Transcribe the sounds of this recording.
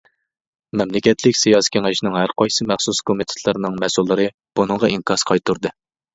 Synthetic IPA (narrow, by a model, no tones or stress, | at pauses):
mɛmlɪkʲɛt̪ʰlɪkʲsijɑːsi̥kʲʰeŋɪʃinɨŋɦæɾqɑjsɨmæχsuskʰomɨt̪ʰɪ̥t̪ʰlˠɨɾnɨŋmɛsulˠːɨɾɨ | b̥unɨŋʁɑiŋkʰɑsqʰɑjt̪uɾd̪ɨ